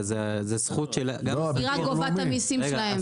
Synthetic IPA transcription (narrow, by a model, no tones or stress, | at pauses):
zezesχut̪ʃelɡabiʁaɡovat̪amisimʃelaɦem